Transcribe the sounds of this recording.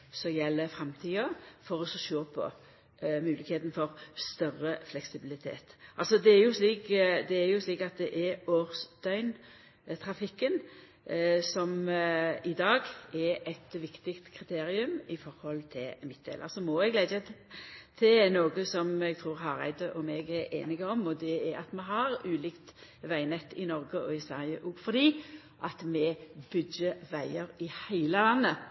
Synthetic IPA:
sɔjɛlːəfɾɛmt̪ʰiːɔfɔɾɔsɔʃøːpʰɔ̰ | mʉːlɪkheːt̪n̩fɔɾst̪œrəflɛksɪbɪlɪt̪ʰḛːt̪ʔɑlsɔd̪ɛæɾjʊsliːkd̪ɛːɾjʊsliːkɑt̪̚d̪ɛʔɛɾoːɾsd̪œʏn | t̪ʰɾɑfɪkːən | sɔm | ɪd̪ɑːɡɛɛt̪ʋɪkt̪ɪkt̪kʰɾɪt̪ʰeːɾɪʉmɪfɔɾhɔlt̪ʰɪlmɪt̪̚d̪ḛːlʔə̰sɔmɔɛɡleɪd̪ə | t̪ʰɪlnoːɡəsɔmɛɡ̚t̪ʰʁuːʁɦɑɾæ̰ɪd̪əʔɔmɛːɡæɾḛːnɪɡəɔmɔd̪ɛæɾɑt̪mɛɦɑɾʉːliːkt̪ʋæɪnɛt̪ːɪnɔɾɡəɔɪsæʁɪəʔuɡfɔd̪iː | ʔɑt̪mɛbʉd̪jəʋæɪəɾɪhæɪləlɑnːə

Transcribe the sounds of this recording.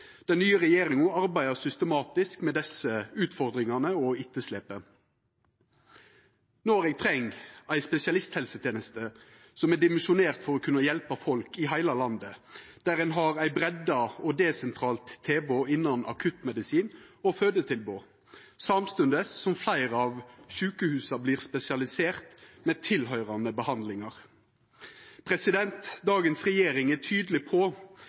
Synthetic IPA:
d̪̥ɛnːyːəʁɛjeːɾɪŋʊɑɾbæɪd̪əsʏst̪əmɑːt̪ɪskmɛd̪ɛsəʉːt̪fɔɾd̪ɾɪŋɑnəɔɪt̪ːəsleːpə | noːɾeːɡ̚t̪ʰɾɛŋːæɪspɛsɪɑlɪst̪hɛlsət̪ʰeːnəst̪ə | sɔmæɖ̪ɪmɛnʃʊneːʁt̪fɔɾɔkʰʉnːɑjɛlpɑfɔlkɪɦæɪlɑlɑnd̪əd̪̥æːɾhɛnɦɑɾæɪbɾɛd̪ːɑɔd̪eːsɛnt̪ʰɾɑːlt̪ʰːeːboːɪnːɑnʔɑ̰kʰʉt̪mɛd̪ɪsiːnɔføːd̪ət̪ʰɪlboː | sɑmst̪ʉnd̪əsːɔmflæɪʁɑʋʃʉːkəhʉːsɑbliːʁspɛsɪɑlɪseːʁt̪meːt̪ʰɪlɦœʏʁɑnəbəhɑnd̪lɪŋɑʁ | pʰɾɛsɪd̪ɛnt̪d̪ɑːɡənsʁɛjeːɾɪŋætʰyːd̪əlɪpʰɔ

